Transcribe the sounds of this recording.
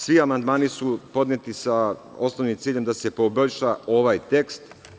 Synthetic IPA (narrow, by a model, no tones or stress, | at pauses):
sʋiamand̪maːnisupo̞d̪nɲet̪isa | o̞snoʋnimt̪siːʎe̞md̪ase̞po̞boʎʃao̞ʋajt̪e̞kst̪